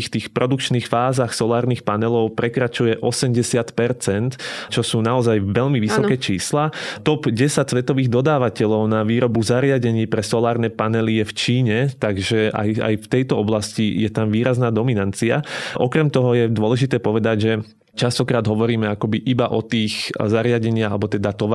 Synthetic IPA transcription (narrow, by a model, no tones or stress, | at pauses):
xft̪iːxpɾɔd̪ukt͡ʃniːxfaːzaxsɔlaːɾniːxpanɛlɔʊpɾɛkɾat͡ʃujɛʔɔsɛmɟɛsɪat̪pɛɾt͡sɛnt̪t͡ʃɔsuːnaɔzajʋɛʎmiʋisɔkɛt͡ʃiːslat̪ɔpɟɛsac̚t͡sʋɛt̪ɔʋiːɣd̪ɔd̪aːʋacɛʎɔʊnaʋiːɾɔbuzaɾɪaɟɛɲiːpɾɛsɔlaːɾnɛːpanɛlijɛft͡ʃiːɲɛt̪aɡʒɛa̰ja̰jft̪ɛjt̪ɔɔblascijɛt̪amʋiːɾaznaːd̪ɔminant͡sia̰ʔɔkɾɛmt̪ɔɦɔjɛd̪wɔlɛʒit̪ɛːpɔʋɛd̪aɟʒɛ | t͡ʃast̪ɔkɾaːd̪ɦɔʋɔɾiːmɛakɔbiʔibaʔɔt̪iːxzaɾɪaɟɛɲɪaalɛbɔt̪ɛd̪at̪ɔʋa